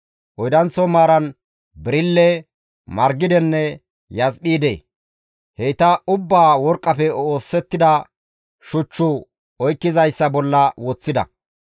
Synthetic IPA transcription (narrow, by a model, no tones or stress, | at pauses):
ʔɔjd̪ɐnt͡sːɔmaːɾɐn | bɪɾɪlːɛ | mɐɾɡɪd̪ɛnːɛ | jɐzɓiːd̪ḛː | hɛɪt̪ɐʊbːaːwɔɾkʼːɐpɛoːsːɛt̪ːɪd̪ɐ | ʃʊt͡ʃːʊ | ɔjkːɪzɐjsːɐbɔlːɐwɔt͡sːɪd̪ɐ̰